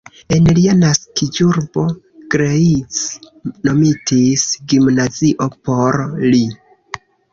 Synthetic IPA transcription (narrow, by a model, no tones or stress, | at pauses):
e̞nlianaskid͡ʒuɾbo̞ | ɡ̥ɾeit͡s | no̞mitisɡimnaziʔo̞po̞ɾli